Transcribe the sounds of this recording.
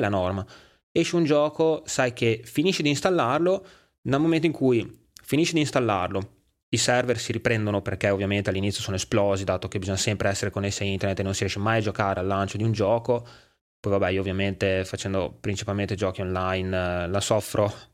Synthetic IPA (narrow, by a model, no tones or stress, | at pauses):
lanɔrma | eʃiund͡ʒɔːkosajkefiniʃid̪inst̪alːarlo | nelmomẽnt̪oiŋkuj | finiʃid̪inst̪alːarlo | isɛrversiɾipɾɛnd̪onoperkeovːjament̪ealːinit̪sːjosoːnoesplɔːzid̪aːt̪okebizɔɲːasɛmpɾeɛsːeɾekonːesːiaint̪ernet̪enõnsiɾjɛʃemajad͡ʒokaːɾealːant͡ʃod̪iund͡ʒɔːko | pɔjvabːɛioːvjament̪efat͡ʃɛnd̪o̰pɾint͡ʃi̥palment̪ed͡ʒɔːkionlajnlasɔfːɾʔo